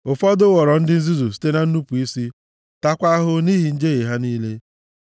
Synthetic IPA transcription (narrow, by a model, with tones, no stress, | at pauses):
ʊ˨fɔ˦dʊ˦wɔ˨ɾɔ˨n̩˦dɪ˦n̩˦zi˦zu˨si̥˦te˦na˦n̩˦nu˦pu˨i˦si˦ | ta˦kʷa˦ɦʊ˦ni˦ɦi˨n̩˦d͡ʒe˦ɣe˨ɦa˦niː˦le˦